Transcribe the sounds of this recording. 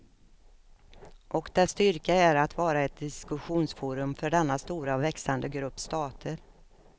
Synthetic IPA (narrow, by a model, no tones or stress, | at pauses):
ʔɔkd̪̥ɛst̪ʏɾkaæɾat̪vɑːɾaɛt̪̚d̪ɪskɵɧuːnsfuːɾɵmfœɖɛnːast̪uːɾavɛksand̪əɡɾɵpːst̪ɑːt̪ʰəɾ